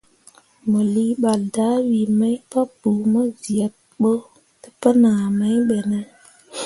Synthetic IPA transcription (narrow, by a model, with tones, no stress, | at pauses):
mə˨li˦ɓa˨lda˦wi˨mə˦jpa˦b̥u˨mə˦zi˨a˨t̚ɓo˦ | tə̥˦pə˦naː˨mə˦jɓe˨nə˨